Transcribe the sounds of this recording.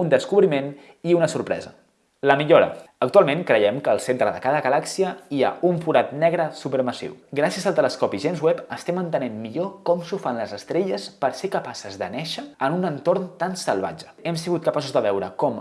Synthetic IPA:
und̪əskuβɾimen | iunəsuɾpɾɛ̰zə̰ | ləmiʎoɾə̰ək̚t̪ualˠmeŋkɾəjɛmkəːlˠsent̪ɾəðəkaðəɣəlaksiəia̰uɱfuɾat̪nɛɣɾəsupəɾməsḭwɡɾasiəzəlˠt̪ələskɔpiʒenzwɛpəst̪ɛmənt̪ənemmiʎokɔmsufanləzəst̪ɾeʎəspəɾsekəpasəzðənɛʃəənunənt̪ornt̪ansəlˠβa̰d͡ʒə̥ɛmsiɣut̪̚kəpasuzðəβɛwɾəkɔm

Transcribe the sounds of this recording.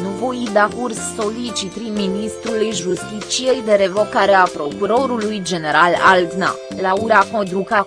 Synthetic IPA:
nuvo̞jid̪akursːo̞lit͡ʃit̪ɾiminist̪ɾulujʒust̪it̪t͡ʃije̞jd̪e̞ɾe̞vo̞kaɾeapɾo̞kuɾo̞ɾulujd͡ʒe̞ne̞ɾalald̪na̰ | lauɾakod̪ɾuka

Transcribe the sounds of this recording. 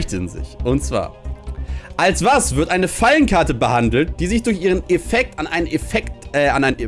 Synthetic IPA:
çtəɪ̰nzɪ̰çʔʊntt͡sv̥a̰ːɐ | ʔalsv̥asv̥ɪɐtʔaɪnəfalənkʰaɐtəbəhandl̩t̚d̥iːzɪçd̥ʊɐçʔiːʁ̞ənɛfɛk̚tanʔaɪnənɛfɛktɛanʔaɪn

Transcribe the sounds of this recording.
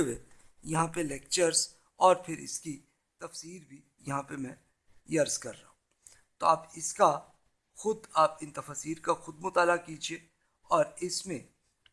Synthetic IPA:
wejɐɦãpeleːk̚t͡ʃəɾz | ɔːɾpʰɪɾɪ̰ski | t̪ɐfsiːɾbʱi | jɐɦãpemɛ̃ | jɐɾzkɐɾːa̰ːɦũ | t̪oaːpɪska | xʊd̪aːpɪ̃nt̪ɐfaːsiːɾkaxʊd̪̚mʊt̪aːlakiːd͡ʒieː | ɔːɾɪsmẽ

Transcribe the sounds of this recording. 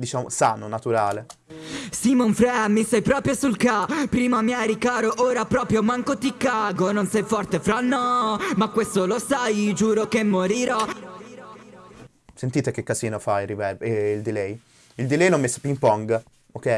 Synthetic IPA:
d̪it͡ʃaːmo̰saːnonat̪uɾaːle | simoɱfɾɛmːisajpɾɔːpɾjosulkapːɾiːmamiaɾikaːɾoʔoːɾapɾɔːpɾjomaŋkot̪ikːaɡononsɛjfɔrt̪efɾanːɔmakːwest̪olosajd͡ʒuːɾokemːoɾiɾɔ | sent̪iːt̪ek̟ːekːaziːnofairivɛɾveild̪ilɛj | ild̪ilɛjnɔmːesːo̥pimpɔŋɡ | okɛj

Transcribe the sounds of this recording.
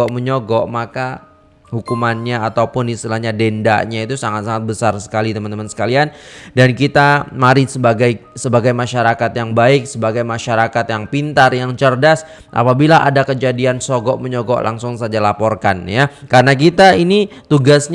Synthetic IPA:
ɔʔməɲɔɡɔʔmaka | hukumanɲaːt̪awpʊnist̪ilahɲadenda̰ʔɲait̪usaŋat̪saŋat̪̚bəsarsə̥kalit̪əmant̪əmansə̥kaliandankit̪amaɾisəbaɡajsəbaɡajmaʃaɾakat̪jaŋbaɪk̚səbaɡajmaʃaɾakat̪jaŋpint̪arjaŋt͡ʃərdas | ʔa̰pabilaʔa̰dakəd͡ʒadiansɔɡɔʔməɲɔɡɔ̰ʔlʔa̰ŋsʊŋsad͡ʒalapɔrkanjakaɾənak̬it̪ainit̪uɡasɲ

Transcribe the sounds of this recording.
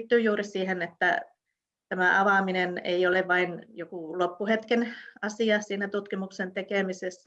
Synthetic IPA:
t̪ːyːjuːrisiːhenet̪ːæ | t̪æmæʔɑʋɑˑminenḛioleʋʋɑinjokulopːuhet̪kenɑsiɑsiːnæt̪ut̪kimuksent̪ekeˑmisesːæ

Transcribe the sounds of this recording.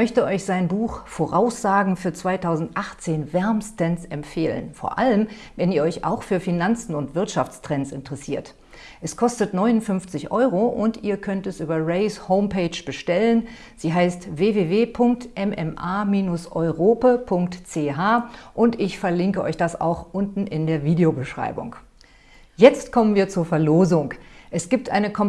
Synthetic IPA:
mœçtəʔɔʏçz̥aɪnbuːxfoːʁaʊsz̥aːɡŋ̩fyːɐt͡sv̥aɪtʰaʊzn̩tʔaχt͡seːnvɛɐmstɛnsɛmfeːlə̰nfo̰ːɐʔaləm | vɛniːɐɔʏçʔa̰ʊxfyːɐfinant͡sn̩ʊntv̥ɪɐtʃaft͡stʁ̥ɛnsɪntəʁɛsiːɐt | ʔɛskʰɔstətnɔʏnʊnfʏnft͡sɪçʔɔʏʁoʔʊntiːɐkʰœntɛsʔyːbɐʁɛɪshoʊmpeɪt͡ʃb̥əʃtɛlən | z̥iːɦaɪstveːveːveːpʰʊŋk̚tʔɛmʔɛmʔaːmiːnʊsʔɔʏʁoːpapʰʊŋk̚tt͡seːɦaːʔʊntɪçfɛɐlɪŋkəʔɔ̰ʏçd̥asa̰ʊxʔʊntn̩ʔɪndeːɐviːdeobəʃʁ̥a̰ɪbʊ̰ŋ | jɛt͡stkʰɔmənviːɐt͡suːɐfɛɐloːzʊŋkʔɛsɡ̥iːp̚tʔa̰ɪnəkʰɔm

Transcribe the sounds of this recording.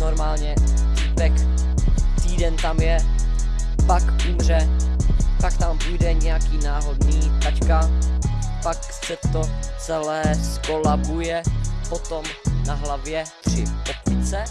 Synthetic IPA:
noɾmaːlɲɛ | t̪iːpɛk | t̪iːdɛnt̪amjɛ | pakumr̝ɛ | pakt̪ampujdɛɲɛjakiːnaːɦo̞dniːt̪at͡ʃka | pak | sɛt̪o̞t͡sɛlɛːskolabujɛpo̞t̪o̞mnaɦlavjɛt̪r̝̥ɪpopmɪt͡sɛ

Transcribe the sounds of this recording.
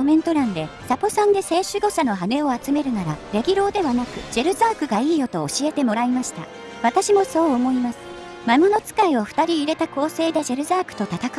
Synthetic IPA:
omẽ̞nt̪o̞ɾãnd̪e̞sapo̞sãnd̪e̞se̞ːɕɨɡo̞ɕano̞ɦane̞o̞at͡sɨme̞ɾɯ̟naɾaɾe̞ɡʲiɾo̞ːd̪e̞βanakɯ̟d͡ʑe̞ɾɯ̟zaːkɯ̟ɡaiːjo̞t̪o̞ːɕie̞t̪e̞mo̞ɾaimaɕi̥t̪a̰ | βat̪aɕimo̞so̞ːmo̞imasɨ̥ | mamono̞t͡sɨ̥kaio̞ɸɯ̟̥t̪aɾʲiːɾe̞t̪ako̞ːse̞ːd̪e̞d͡ʑe̞ɾɯ̟zaːkɯ̟̥t̪o̞t̪at̪ak

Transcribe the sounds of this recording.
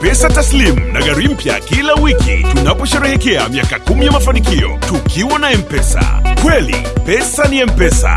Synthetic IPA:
pɛsataslimunaɠaɾim̩pja̰kilawikḭtunapɔʃɛɾɛhɛkɛa̰miakakumijamafanikiɔ̰tukʰiwanaɛmpɛsa̰kwɛlḭpɛsaniɛm̩pɛsa̰

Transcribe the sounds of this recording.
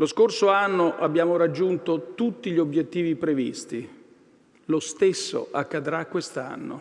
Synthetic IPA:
loskorsoanːoʔabjaːmoɾad͡ʒːunt̪ot̪ut̪ːiʎiobjet̪ːiːvipɾevḭst̪i | lost̪esːo̰ʔakːad̪ɾakːwest̪a̰nːo̰

